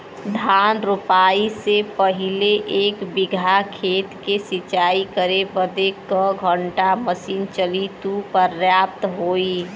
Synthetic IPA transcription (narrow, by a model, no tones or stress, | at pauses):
d̪ʱanɾupaisepəɦileʔeːkbɪɡʱakʰeːt̪kesɪt͡ʃaikəɾebəd̪ekəɡʱəɳʈaməsiːnt͡ʃəlit̪upəɾjap̚t̪ɦoːi